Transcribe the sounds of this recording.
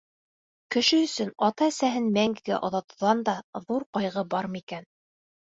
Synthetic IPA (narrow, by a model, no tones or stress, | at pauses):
kɘ̆ʃɘɵ̆sɵnɑt̪ɑæsæɦɘnmæŋɡɘ̆ɡæ̰ʔŏðɑt̪ɤ̆ðɑnd̪ɑðuɾqɑjʁɤbɑɾmɤ̆ikæn